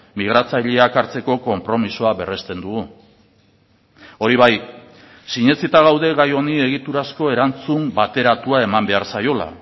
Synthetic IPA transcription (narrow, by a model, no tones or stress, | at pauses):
miɣ̞ɾat͡saʎeakaɾt͡se̞ko̞ko̞mpɾo̞misoaβe̞re̞st̪e̞nd̪uɣu | o̞ɾiβ̞aj | siɲe̞t͡sit̪aɣ̞awðe̞ɣajo̞nie̞ɣ̞it̪uɾasko̞e̞ɾant͡sumbat̪e̞ɾat̪uae̞mambe̞aɾsajo̞la̰